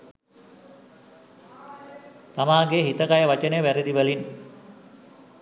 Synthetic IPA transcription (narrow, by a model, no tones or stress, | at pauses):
t̪amaːɡeɦit̪əkajəʋat͡ʃənəjəʋæɾed̪iʋəlin